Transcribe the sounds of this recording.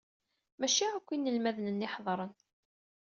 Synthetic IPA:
mæʃiækʷːinːəlmæðnənːɪħðˤɾˤən

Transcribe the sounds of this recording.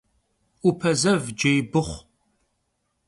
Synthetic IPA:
upʰɐzɐvd͡ʒejbɨχʷ

